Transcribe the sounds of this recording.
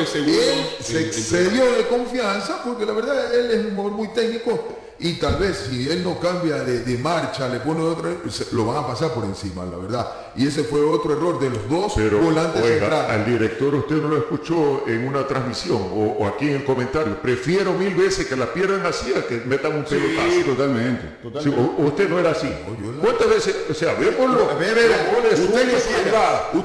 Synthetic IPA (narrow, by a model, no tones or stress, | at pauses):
eseɣuelseseðjo̞ðeko̞ɱfjansapo̞ɾke̞laβe̞ɾðae̞lesuŋmooɾmujt̪e̞k̚niko̞ | it̪alβe̞sːie̞lno̞kambjaðeðe̞maɾt͡ʃale̞po̞neot̪ɾaselo̞βaŋapasaɾpo̞ɾe̞nsima̰la̰βe̞ɾða | ie̞s̬e̞fwe̞o̞t̪ɾoe̞ro̞ɾd̪e̞lo̞zðo̞seɾobolant̪eenɾaald̪iɾek̚t̪o̞ɾust̪e̞ðnoloeskut͡ʃoeŋunat̪ɾazmisjo̞ŋoakieŋko̞mẽnt̪aɾjopɾefjeɾo̞milβe̞seske̞laspje̞ɾðeŋasiakemet̪aŋumpelopast̪ot̪almẽnt̪e | ioust̪enoeɾaːsiojowant̪azβesesoseaβepoɾloeeoolesueeseɡau